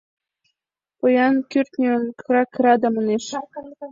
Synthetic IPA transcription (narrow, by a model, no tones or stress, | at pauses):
pojɑnkʲyrt̪nʲeonkɾɑkːəɾɑd̪ɑmɤ̆neʃ